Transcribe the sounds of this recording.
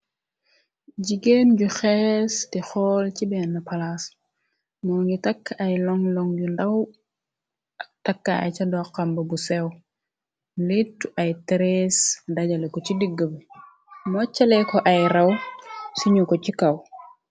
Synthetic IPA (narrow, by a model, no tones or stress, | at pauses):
ɟiɡenɟuxɛstixɔːlt͡ʃibɛnːapalas | nɔŋɡitakːajlɔŋlɔŋɟundaw | takːaa̰jt͡ʃadɔqːambɐbusew | litːuʔajtɾesdaɟalekɔt͡ʃidiɡːəb | mɔt͡ʃːalekɔʔajɾawsiɲukot͡ʃikaw